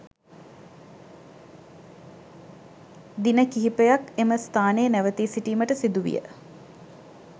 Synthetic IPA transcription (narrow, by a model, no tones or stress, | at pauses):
d̪inəkiɦipejakeməst̪ʰaːnejənæʋət̪iːsiʈiːməʈəsid̪uʋḭjə̰